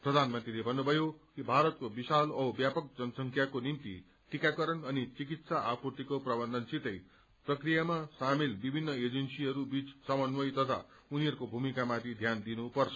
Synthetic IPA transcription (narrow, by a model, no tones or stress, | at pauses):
prʌd̪ʱanmʌnt̪rilebʱʌnːubʱʌjokibʱaɾʌt̪̚kobisalʌbjapʌk̚d͡zʌnʌsʌŋkʰjakonimt̪ḭ | ʈikakʌɾʌnʌnit͡sik̬it̪saʔapurt̪ikoprʌbʌnd̪ʱʌnsit̪ʌj | prʌkrijamasamilbibʱinːʌed͡zʌnsiɦʌɾubit͡ssʌmʌnwʌjt̪ʌt̪ʰa̰ | uniɦʌɾukobʱumikamat̪ʰid̪ʱjand̪inupʌrt͡sʰʌ̥